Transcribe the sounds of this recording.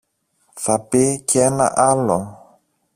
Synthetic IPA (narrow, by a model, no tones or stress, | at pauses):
θɐpicenɐ̰ʔɐlo